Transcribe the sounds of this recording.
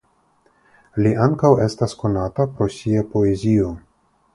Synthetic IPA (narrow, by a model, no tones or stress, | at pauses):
liʔaŋkawe̞stasko̞natapɾo̞siapo̞e̞zio̞